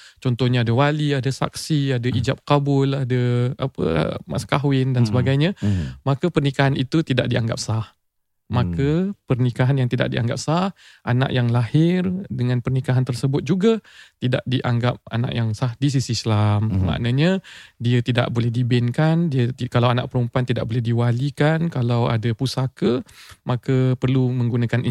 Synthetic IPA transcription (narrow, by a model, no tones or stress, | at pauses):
t͡ʃɔnt̪ɔhɲaadəwaliadəsa̰k̚siadaʔid͡ʒap̚kabʊladəa̰pə̰ma̰skaɦwɪndansəbaɡajɲãmakəpərnikaɦanit̪ut̪idaʔ̚diaŋɡa̰p̚sah | makəpərnikaɦanjaŋt̪ida̰ʔ̚dḭa̰ŋɡa̰p̚sah | ʔana̰ʔjaŋlahɪrdəŋanpərnikaɦant̪ərsəbʊt̪̚d͡ʒuɡat̪ida̰ʔ̚diʔaŋɡap̚a̰na̰ʔjaŋsahdis̬isislamma̰ʔnãɲadiət̪ida̰ʔbolɛhdibɪnkandiəkalawana̰ʔ̚pəɾumpuant̪ida̰ʔ̚bolɛhdiwalikankalawa̰dapusakəmʔakəpərlumə̃ŋɡunakani